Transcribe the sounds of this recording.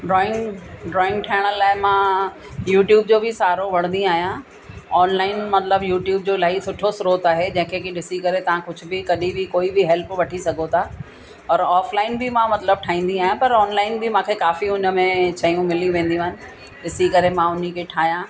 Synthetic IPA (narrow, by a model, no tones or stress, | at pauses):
ɖɾɔːɪ̃ŋɡɖɾɔːɪ̃ŋɡʈʰaːɪɽ̃əlaːɪmã | juːʈjuːbd͡ʑoːbʱɪsaːɾoʋɐɽ̤̃nd̪ĩaːɦijã | ɔːnlaːɪnmɐt̪ləbjuːʈjuːb̚d͡ʑoːlaːisʊʈʰosʊɾoːt̪aːɦed͡ʑɐ̃ɦɪ̃kʰekɪɗɪsikɐɾet̪ɐʋ̤ãkʊd͡ʑʱʊbɪkɐɗibʱɪkoːibʱɪɦɛlpʋɐʈʰisɐɡʱot̪ʰa | ɔːɾɔːflaːɪnbʱɪmãmɐt̪ləb̚ʈʰaːɦĩːn̆d̪ĩaːɦijãpɐɾɔːnlaːɪnbʱɪmãːkʰekaːfiʊnəmẽt͡ɕʰɐijũmɪlĩʋẽːnd̪ijũːɦɪnɪ̆ | ɗɪsikɐɾemãʊn̤ikʰeʈʰaːɦijã